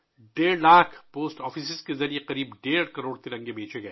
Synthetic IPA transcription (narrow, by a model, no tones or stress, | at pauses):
ɖeːɽlaːkʰpoːsʈɔːfisɪzkezɐɾieqɐɾiːbɖeːɽkɐɾoːɽt̪iɾɐ̃ŋɡebʱẽːt͡ʃeɡɐː